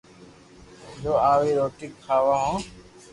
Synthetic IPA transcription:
d͡ʒoːaːʋiːɾoːʈɪkʰːaːʋaːɦõː

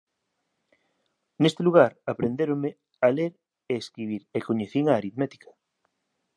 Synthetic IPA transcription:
nest̪eluɣ̞aɾapɾend̪eɾome | aleɾ | eːskɾiβ̞iɾekoɲeθiŋaːɾiðmet̪i̥kḁ

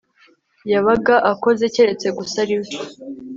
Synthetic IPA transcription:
jaβaɡaʔako̞ze̞ceɾe̞t͡se̞ɡusaɾiw

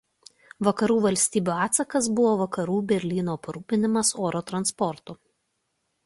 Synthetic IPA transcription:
ʋɐkɐɾuːʋɐlʲsʲt̪ʲiːbʲuːɑːt̪sɐkɐsbʊʋoːʋɐkɐɾuːbʲɛɾʲlʲiːnoːpɐɾuːpʲɪnʲɪmɐsoːɾoːt̪ɾɐnspɔɾt̪ʊ

